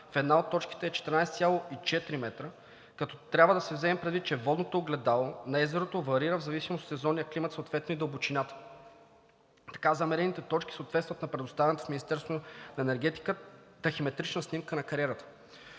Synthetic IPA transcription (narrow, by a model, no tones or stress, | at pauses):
fɛd̪naot̪ːɔt͡ʃki̥t̪ɛːt͡ʃɛ̥t̪ɛɾnajsɛt̪sʲjalˠoit͡ʃɛt̪ɾimɛt̪ɾə | kɐt̪ɔt̪ɾʲabvəd̪ɐsɛvzɛmɛmpɾɛd̪vit̪̚ːt͡ʃɛvɔd̪not̪oːɡlɛd̪alˠonɐɛzɛɾot̪ovɐɾiɾəvzɐvisimost̪sɛzɔnijəklimət̪sot̪vɛt̪noid̪əlˠbot͡ʃinʲat̪ə̥ | t̪ɐ̥kazɐmɛɾɛnit̪ɛt̪ɔt͡ʃki̥səot̪vɛt̪st̪vɐt̪nɐpɾɛd̪ost̪avɛnɛt̪o̥fmʲinist̪ɛɾst̪vonɐɛnɛɾɡɛt̪i̥kət̪ɐximɛt̪ɾit͡ʃnəsnimkənɐkɐɾiɛɾət̪ə̥